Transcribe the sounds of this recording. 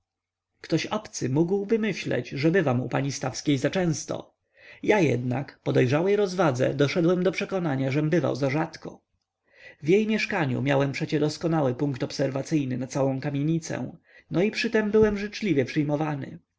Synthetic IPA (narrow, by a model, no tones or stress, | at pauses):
kt̪ɔɕɔpt̪sɘmuɡwbɘmɘɕlɛ̰d͡ʑʐɛbɘvamṵpaɲist̪afskʲejzat͡ʂɛ̃w̃st̪ɔ̰ | jajɛ̰d̪na̰kpɔd̪ɛjʐawɛjɾɔzvad̪zɛ̰d̪ɔʂɛd̪wɛmd̪ɔpʂɛkɔnaɲaʐɛmbɘva̰wzaʐat̪kɔ | vjejmʲjɛʂkaɲṵmʲjawɛmpʂɛt͡ɕɛd̪ɔskɔnawɘpuŋkt̪ɔpsɛɾvat̪sɘjnɘnat̪sawɔ̃w̃kamʲjeɲit̪sɛ̰ | nɔipʂɘt̪ɛmbɘwɛmʐɘt͡ʂlʲivʲjɛpʂɘjmɔvanɘ̰